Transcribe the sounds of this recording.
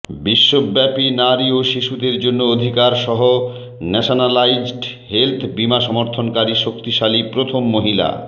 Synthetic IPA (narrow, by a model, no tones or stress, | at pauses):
biʃːobːɛpinaɾioʃiʃud̪eɾd͡ʑonːood̪ʱikaɾʃɔɦo | nɛʃonalajd͡ʑɖ | ɦelt̪ʰbimaʃɔmoɾt̪ʰonkaɾiʃokt̪iʃalipɾot̪ʰomːoɦila̰